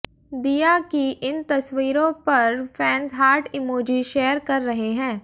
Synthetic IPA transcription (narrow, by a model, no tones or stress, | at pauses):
d̪iːjakiʔɪnt̪ɐsʋiːɾõpɐɾfʰɛ̃ːnsɦaːɾʈɪmoːd͡ʒiʃeːəɾkɐɾːɐɦeɦɛ̃ː